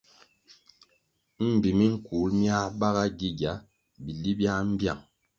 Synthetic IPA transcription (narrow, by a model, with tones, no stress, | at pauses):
m̩˦˨bi˨mi˦ŋ̩˦ku˨˦lmja˦ba˦ɣa˦ɡi˦ɡa˨˦ | bi˨li˦bja˦m̩˦bja̰˦˨ŋ